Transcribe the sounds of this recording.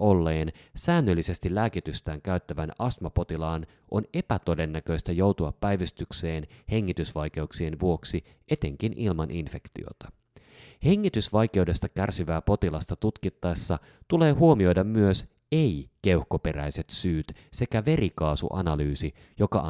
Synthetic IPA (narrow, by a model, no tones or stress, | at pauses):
olːe̞ːn | sæːnːølːise̞st̪ilæːkit̪yst̪æːŋkæyt̪ːæʋænɑsmɑpo̞t̪ilɑːn | ʔo̞ne̞pæt̪o̞de̞nːækø̞jst̪æjo̞wt̪uɑpːæjʋist̪ykse̞ːnhe̞ŋːit̪ysʋɑjk̟e̞uksie̞nʋuo̞ksi | ʔe̞t̪e̞ŋk̟inʔilmɑnʔinfe̞kt̪ḭo̰t̪ɑ̥ | heŋːit̪ysʋɑjke̞wde̞st̪ɑkærsiʋæːpo̞t̪ilɑst̪ɑt̪ut̪kit̪ːɑesːɑ | t̪ule̞ːɦuomio̞jdɑmːyøs | eike̞uhkope̞ɾæ̰jse̞t̪syːt̪se̞kæʋe̞ɾikɑːsṵʔɑ̰nɑlyːsi | jo̞kɑ̰